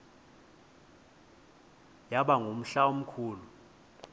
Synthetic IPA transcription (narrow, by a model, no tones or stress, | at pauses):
jaɓaŋʱum̩ɬaom̩kʰuːlu